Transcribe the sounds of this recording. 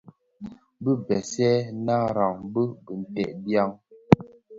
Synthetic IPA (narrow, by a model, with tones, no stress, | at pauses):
bə˦bɛ˨sɛ˦na˦ɾa˨ŋbə˦bə˨n̩˨tɛ˨ʔdja˦ŋ